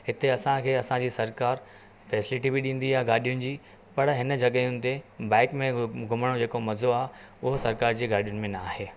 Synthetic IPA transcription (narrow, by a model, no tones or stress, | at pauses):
ɦɪt̪eɐsãkʰeːɐsãd͡ʑiːsɐɾkaːɾ | fɛːsɪlɪʈibiɗĩːn̆d̪iaːɦeɡaːɗijʊnɪ̆d͡ʑiː | pɐɽɦɪnəd͡ʑɐɠəjʊnɪ̆t̪ebãːkmẽɡʱʊməɽ̃od͡ʑeːkomɐzoaːɦ | ʊɦʊsɐɾkaːɾd͡ʑiːɡaːɗijʊnɪ̆mẽnɐaːɦeː